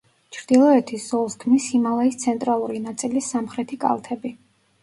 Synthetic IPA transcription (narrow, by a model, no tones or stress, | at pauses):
t͡ʃʰɾd̪ilˠɔɛt̪ʰisz̥ɔlˠskʰmisimalˠaist̪sʰɛnt̪ʼɾalˠuɾinat̪sʼilisamχɾɛt̪ʰikʼa̰lˠt̪ʰɛbi